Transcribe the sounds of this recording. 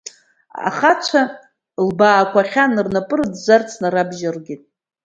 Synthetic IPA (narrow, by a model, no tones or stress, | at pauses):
a̰χat͡ʃʷʰa | lbaːkʷʰaχʲanɨrnapʼɨrdzart͡sʰnaɾabʒarɡʲitʼ